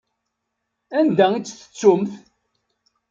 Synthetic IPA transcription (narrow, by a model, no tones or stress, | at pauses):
ænd̪æit͡sːθə̥t͡sːʊmθ